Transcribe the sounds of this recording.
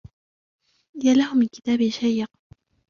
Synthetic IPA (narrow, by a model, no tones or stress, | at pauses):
ɪjalahʊmɪnkɪ̥t̪aːbɪʃajːɪq